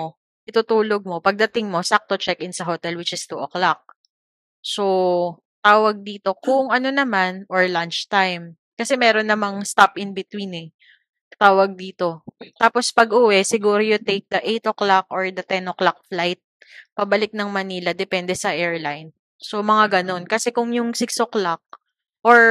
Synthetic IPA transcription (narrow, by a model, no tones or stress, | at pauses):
ʔɪt̪ʊt̪uːloɡ̚mo̞pɐɡ̚d̪ɐt̪ɪŋmo̞sak̚t̪ot͡ʃɛk̚ʔɪnsɐɦot̪ɛlwɪt͡ʃɪst̪uʔoklak̚ | so | t̪aːwɐɡ̚d̪iːt̪o̞kʊŋʔɐno̞nɐmanʔoɹlant͡ʃt̪ajm | kɐsɛmɛːɾonːɐmaŋst̪apɪnbɪt̪winɛ | t̪aːwɐɡ̚d̪iːt̪o̞t̪aːpo̞spɐɡʔuːwɛsɪɡuːɾojʊt̪ejk̚d̪ɐʔejt̪oklakʔoɹd̪ɐt̪ɛnʔoklak̚flajt̪̚ | pɐbɐlɪk̚nɐŋmɐniːlɐd̪ɛpɛnd̪ɛsɐʔɛɹlajn | so̞mɐŋaɡɐno̞nkɐsɛkʊŋjʊŋsɪksoklak̚ | ʔoɹ